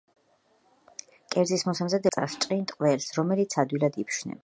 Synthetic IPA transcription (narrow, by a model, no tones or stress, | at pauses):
kʼɛɾd̪zismɔsamzad̪ɛsʼa̰st͡ʃʼqʼint̪ʼqʼvɛlsɾɔmɛlit̪sʰad̪wilad̪ipʰʃnɛ̰